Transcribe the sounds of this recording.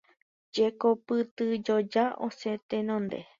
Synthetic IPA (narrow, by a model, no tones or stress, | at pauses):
d͡ʒekopɨt̪ɨd͡ʒod͡ʒaʔoset̪enõnd̪ḛ